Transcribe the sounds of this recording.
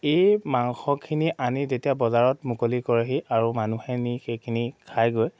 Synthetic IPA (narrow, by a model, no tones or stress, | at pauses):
ejmaŋxɔkʰːiniʔanizetijabɔzaɹɔtmukolikɔɹeɦiʔaɹumanuhɛnixejkʰinikʰajɡoj